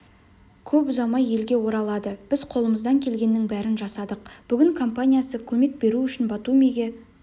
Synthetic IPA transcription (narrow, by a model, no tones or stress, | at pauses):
kʲʰɵpʊzɑmɑje̞lɡʲe̞wo̞ɾɑlˠɑd̪əb̥ɪzqʰo̞lˠəməzd̪ɑŋkʲʰe̞lɡʲe̞nːɪŋbæɾɪnʒɑsɑd̪əq̚b̥ʏɡʲɪŋkʰo̞mpanʲijasəkʲʰɵme̞k̚be̞ɾuʏʃɪnbɑt̪umiɡʲe̞